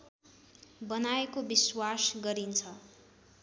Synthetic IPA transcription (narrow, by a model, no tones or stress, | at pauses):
bʌnaekobiswasɡʌɾint͡sʰʌ